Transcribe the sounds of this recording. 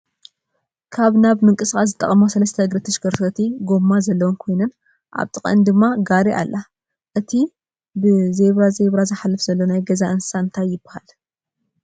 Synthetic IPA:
kʰaβnaβmɨŋkʼɨsɨxʼaszɨt̪ʼɐ̰kʼmosɐlɐst̪ʰɐɨɡɾɐt̪ʰɨʃkʰɐɾt̪ʰot̪ʰiɡo̞mːazɐlːɐwɔnkʰo̞jnɨn | ʔa̰βt̪ʼɨkʼɐ̰nd̪ɨmːaɡaɾiʔa̰lːa | ʔɨt̪ʰi | bɨzeβɾazeβɾazɨħalːɨfz̥ɐlːo̞najɡɐzaɨn̥saɨnt̪ʰajːɪbːḁhal

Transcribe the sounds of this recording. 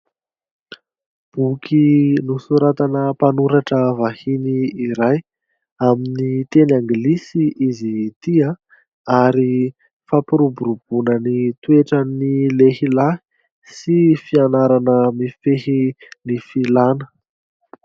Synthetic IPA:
b̥ukʰinusuɾat̪anəpanuɾaʈ͡ʂəvahiniːɾaj | aminit̪enaŋɡlisiʔizit̪iə | aɾi | fapiɾubuɾub̥unənit̪ueʈ͡ʂənileɦilai̥ | sifianaɾanəmifeɦinifilanə̥

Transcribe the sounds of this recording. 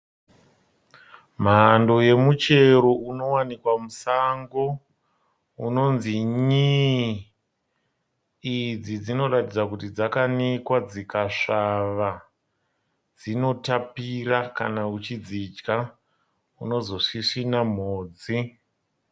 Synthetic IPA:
m̤ando̞je̞mut͡ʃe̞ɾouno̞wanikwamusaŋɡo̞ | uno̞nziɲi | d͡zid͡zino̞ratid͡zakutid͡zakanekwad͡zikaʂaʋa | d͡zino̞tapiɾakanaut͡ʃid͡zit͡ʃka | uno̞zo̞ʂiʂinam̤oːd͡zi

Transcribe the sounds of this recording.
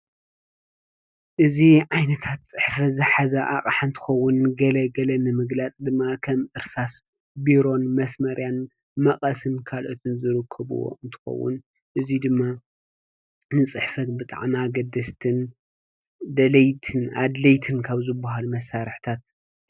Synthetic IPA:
ʔɨziʕajnɐt̪ʰat̪̚t͡sʼɨħfɐzɨħazɐʔa̰χʼaħɨnt̪ʰɨ̥xɐwːʊnɡɐlɐɡɐlɐnɨmɨɡlat͡sʼd̪ɨmːakʰɐmɨɾsas | biɾo̞nmɐsmɐɾjan | mɐχʼɐsɨnkʰalʔot̪ʰɨnzɨɾɨkʰːɐβṵwo̰ʔɨnt̪ʰɨ̥xɐ̰wːʊ̰n | ʔɨzid̪ɨmːa | nɨt͡sʼɨħfɐt̪bɨt̪ʼa̰ʕnaɡɐd̪ɐst̪ʰɨn | d̪ɐlɐjt̪ʰɨnʔa̰d̪lɐjt̪ʰɨnkʰaβzɨbːaɦalmɐsaɾɨħt̪ʰat̪̚

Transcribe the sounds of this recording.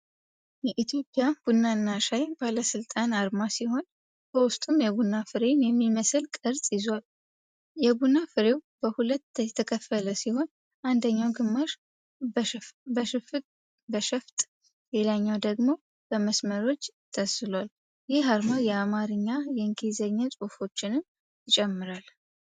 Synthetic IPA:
jɛʔit̪ʰjo̞pʼːjab̥unːanːaʃajbaləsɨlt̪ʼanaɾmasiho̞n | b̥əwʊst̪ʼumjɛbunːafɨɾe̞mjɛmːiməsɨlkʼɨɾtʼjɪzwal | jɛbunːafɨɾe̞wb̥əhulət̪ɛt̪ʰəkʰəfːələsiho̞n | ʔand̪əɲːawɡɨmːaʃ | bbəʃɨfɨt̪ | bəʃɛft̪ʼ | lelaɲːawd̪əɡmo̞ | b̥əməsməɾo̞t͡ʃː | t̪ʰəsɨlwal | jɪhaɾmajɛamaɾɨɲːajɛŋɡizəɲːasʼofo̞t͡ʃːɪnɨm | jɪt͡ʃʼɛmːɨɾal

